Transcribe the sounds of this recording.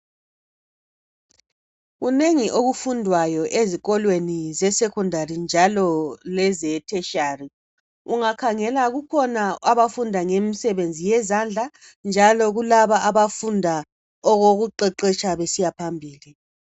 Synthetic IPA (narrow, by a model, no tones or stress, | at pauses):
ɣuneŋiʔoɣufundʱwajɔʔeziɣɔlwenizɛsɛkʰɔndʱarind͡ʒʱalɔlɛzɛtʰɛʃaːri | uŋakʰaŋɛlaɣukʰɔnaaβafundʱaŋemisɛβend͡zʱijɛzand͡ɮʱa | nd͡ʒʱalɔɣulaβaːβafundʱa | ɔɣoɣuǃɛǃɛt͡ʃʰʼaβesijapʰambʱiːli